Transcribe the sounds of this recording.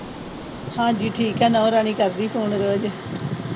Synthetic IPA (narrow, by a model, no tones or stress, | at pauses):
hãːd͡ʒiːʈʰiːkɛːnɔ̃ːɾaːɳ̃iːkəɾd̪iːpʰoːɳɾoːd͡ʒ